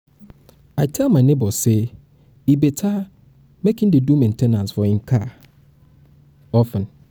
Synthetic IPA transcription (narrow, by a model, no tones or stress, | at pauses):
aɪtʰɛlmãnẽbɔse | ibetʰa | mekʰɪ̃ndɪdũmɛ̃ntʰɛ̃nãnsfɔhɪ̃ŋkʰa | ɔfə̃n